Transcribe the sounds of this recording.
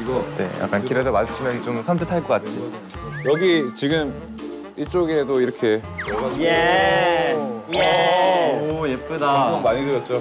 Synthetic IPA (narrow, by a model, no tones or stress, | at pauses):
ɡne̞̰ja̰k͈ankʰiɾedomaɕʰimjʌnt͡ɕomsʰamtʰɯtʰaɭk͈ʌk͈at̚t͡ɕ͈i | jʌɡit͡ɕiɡɯm | it͡ɕ͈oɡe̞doiɾʌkʰe̞ | je | jep͈ɯdaʌmaɲidɯɾjʌt̚t͡ɕ͈o